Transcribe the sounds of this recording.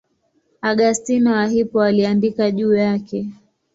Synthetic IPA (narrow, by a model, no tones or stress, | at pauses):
aɠastinawaɦipɔaliandikaʄuːjakɛ